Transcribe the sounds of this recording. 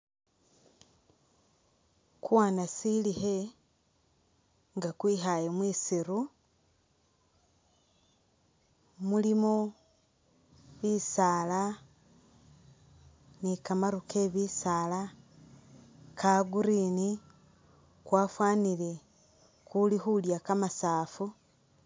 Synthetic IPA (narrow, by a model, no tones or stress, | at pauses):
kuwaːnasilihe | ŋɡakwiːɦajemwiːsiɾu | mulimo | βiːsaːla | nikamaɾuke̞βiːsaːla | kʰaɡuɾini | kwaːfwaːnile̞ | kulihuljakamasaːfu